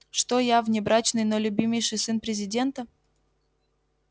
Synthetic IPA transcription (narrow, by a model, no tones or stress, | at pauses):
ʂt̪ojavnʲɪbɾat͡ɕnɨjnolʲʊbʲimʲɪjʂɨjsɨnpɾʲɪzʲɪdʲe̞nt̪ə